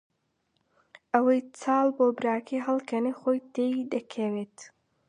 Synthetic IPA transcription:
ʔɐwɐjt͡sɑːlˠboːbɨɾaːkʰijɦɐlˠkʰɐnijχojt̪ʰejd̪ɐkʰɐweːt̪

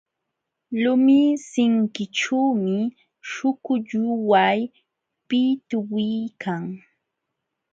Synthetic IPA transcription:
lʊmisɪŋkɪʈ͡ʂuːmɪ | ʃʊkʊʎʊwaj | pɪt̪ʊwɪjkʰaŋ

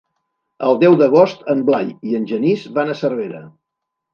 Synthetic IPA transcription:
əlˠd̪ɛwðəɣ̞ost̪əmblajiənʲʒənizβanəsərβ̞eɾə

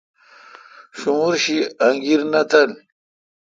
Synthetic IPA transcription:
ɕumuɾɕiaŋɡiɾnat̪ɐl

